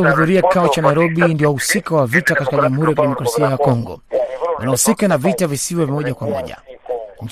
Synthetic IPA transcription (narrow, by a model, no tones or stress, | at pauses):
huðuɾiaki̥kaɔt͡ʃanaiɾɔɓindiɔhusikawavitakati̥kaʄamuhuɾijakiɗɛmɔkɾasiajakɔŋɡɔ̰wʔa̰nahusikanavitavisiwɛvimɔʄakwamɔ̰ʄa̰ɲ̩